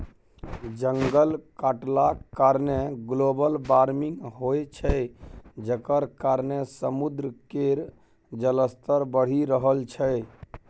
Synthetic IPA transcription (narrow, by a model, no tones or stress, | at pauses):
d͡ʒəŋɡəlkaʈlakaɾneɡlobəlbaɾmiŋɡɦojt͡ʃʰɛd͡ʒəkəɾkaɾnesəmud̪ɾəkeɾ | d͡ʒələst̪əɾbəɽ̤iɾəɦəlt͡ʃʰɛ